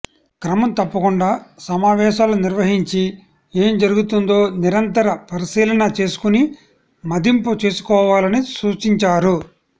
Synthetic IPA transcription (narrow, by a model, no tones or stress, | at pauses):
kɾɐmɐmt̪ɐpːɐkuɳɖaːsɐmaːʋɛːʃaːluniɾʋɐɦiɲt͡ʃi | e̞ːmd͡ʒɐɾuɡut̪und̪o̞ːniɾɐnt̪ɐɾɐpɐɾisiːlɐnɐt͡ʃe̞ːsu̥kuni | mɐd̪imput͡ʃe̞ːsu̥kɔːʋaːlɐnisuːt͡ʃiɲt͡ʃaːɾu